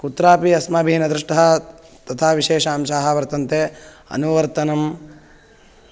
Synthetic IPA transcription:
kut̪ɾaːpiɐsmɐːbʱiːnɐd̪ɾuʂʈɐɦɐ̆ | t̪ɐt̪ʰaːʋiʃeːʃaːmʃaːɦɐ̆ʋɐɾt̪ɐnt̪e | ɐ̰nuʋɐɾt̪ɐnɐm

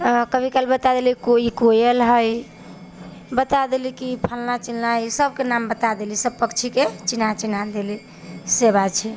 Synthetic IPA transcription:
kəbʱikalbət̪ad̪elikoikojelɦəj | bət̪ad̪elikipʰəlnat͡ʃilnaisəbkenambət̪ad̪elisəb̚pəkt͡ʃʰiket͡ʃinat͡ʃinad̪eli | sebat͡ʃʰɛ

